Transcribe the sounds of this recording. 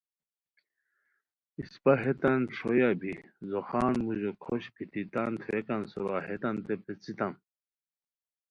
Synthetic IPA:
ispaɦet̪anʈ͡ʂʰojabʱizoxaːnmuʑokʰoɕpit̪it̪ant̪ʰekansuɾaɦet̪ant̪epet͡sit̪ãn

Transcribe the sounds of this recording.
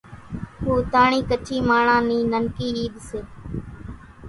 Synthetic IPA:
huːt̪aːɳiːkət͡ʃʰiːmaːɳãːnĩːnənkiːiːɗseː

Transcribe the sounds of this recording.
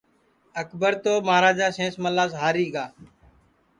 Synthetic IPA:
əkbəɾt̪oːmaːɾaːd͡ʒaːsẽːsməlaːzɦaːɾiːɡaː

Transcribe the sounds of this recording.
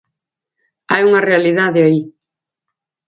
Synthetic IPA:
ajuŋɐrealiðaðɪai

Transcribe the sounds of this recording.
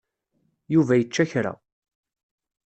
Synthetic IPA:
juvæjət͡ʃːæçɾa̰

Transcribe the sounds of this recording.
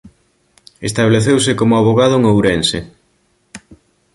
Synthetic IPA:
est̪aβleθewsɪkomʊaβ̞oɣað̞ʊŋowɾense

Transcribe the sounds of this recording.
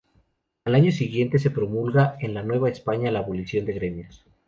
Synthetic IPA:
alaɲo̞siɣje̞nt̪e̞s̬e̞pɾo̞mulɣaenlanwe̞βaespaɲalaːβo̞lisjo̞nd̪e̞ɣɾe̞mjos

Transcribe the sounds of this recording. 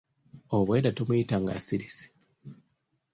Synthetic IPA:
oβwe̞ːɾatomwuitaŋɡa̰siɾisi̥

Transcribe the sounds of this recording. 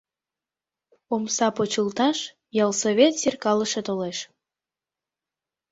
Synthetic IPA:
omsɑpot͡ɕəlt̪ɑʃ | jɑlsoβʲet̪sirkɑləʃet̪oleʃ

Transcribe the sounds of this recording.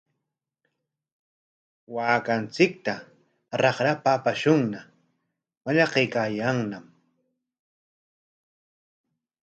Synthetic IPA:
waːkant͡sɪk̚t̪a | ɾɑχɾapaːpaʃʊŋna | waʎɑqejkajaŋnam

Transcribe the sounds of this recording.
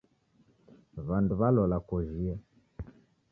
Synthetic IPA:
βanduβalɔlakɔʒia

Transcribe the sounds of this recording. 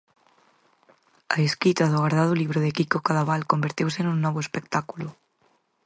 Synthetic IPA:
a̰eskit̪aðʊɣaɾðaðʊliβ̞ɾoðekikokaðaβalkombeɾt̪ewsenũŋnɔβ̞oespekt̪akulʊ

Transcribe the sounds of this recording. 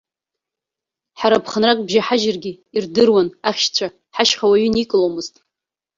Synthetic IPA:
ħaɾapʰχanrakʼbʒaħaʒɪrɡʲi | irdɨrwanaχʲʃt͡ɕʷʰa | ħaʃχawaɥʏnikʼlomɨztʼ

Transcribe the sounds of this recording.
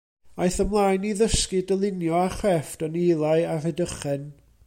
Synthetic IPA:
ajθəmlˠaːjniðəskɨdəlˠɪnjɔaχrɛftɔnejlˠaɨarɛdəχɛn

